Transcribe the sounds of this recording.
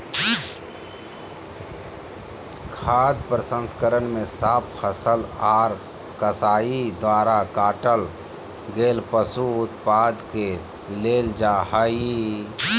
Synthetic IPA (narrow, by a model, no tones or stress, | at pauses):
kʰaːd̪pɾəsə̃nskəɾənmẽsaːppʰəsəlaːɾ | kəsaːid̪ʋaːɾakaːʈəl | ɡeːlpəsuʊt̪paːd̪ke | leːld͡ʒaːhai